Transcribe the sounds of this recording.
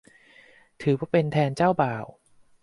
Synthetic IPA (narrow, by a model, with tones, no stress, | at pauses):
t̪ʰɯː˩˦pʰɔ˦˥pe˧nt̪ʰɛː˧nt͡ɕaː˥˩wbaː˨˩w